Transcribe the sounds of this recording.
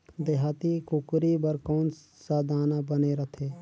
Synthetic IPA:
d̪eɦaːt̪ikʊkɾibəɾkɔːns | saːd̪ʱaːnabəneɾət̪ʰeː

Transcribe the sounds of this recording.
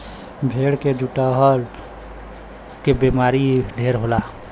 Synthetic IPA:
bʱeːɽked͡ʒuʈaɦəɾ | kebemaːɾiɖʱeːɾɦolaː

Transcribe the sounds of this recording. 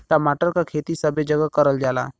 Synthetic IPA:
t̪amaʈəɾkakʰet̪isəbed͡ʒəɡəkəɾəld͡ʒala̰

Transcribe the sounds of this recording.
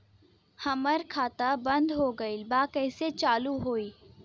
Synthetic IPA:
hɐməɾkʰaːt̪abɐ̃nd̪ɦoɡɐilbaːkɛːset͡ʃaːluɦoːiː

